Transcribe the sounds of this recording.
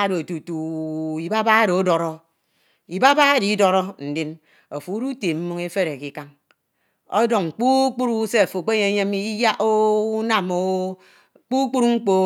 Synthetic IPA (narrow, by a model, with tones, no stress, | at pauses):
do˨tu˨tu˨i˨ba˦ba˦ɾo˨o˦dɔ˨ɾɔ˦ | i˨ba˦ba˦e˦di˨˦do˦ɾɔ˦n̩˨di˦n | o˨fu˨u˦ɾu˦te˨m̩˦mu˦ŋe˦fe˦ɾe˨ki˦ka˦ŋ | o̰˦do˨ŋ˨k͡pu˦k͡pu˦ɾu˦se˦a˨fo˨k͡pe˦ɲe˨˦ɲe˦mi˦ja˦ʔo˦u˦na˨mo˦ | k͡pu˦k͡pu˦ɾŋ͡m̩˦k͡po˦